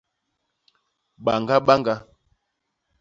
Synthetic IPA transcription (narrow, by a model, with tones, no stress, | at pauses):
ɓa˨ŋɡa˦ɓa˦ŋɡa˦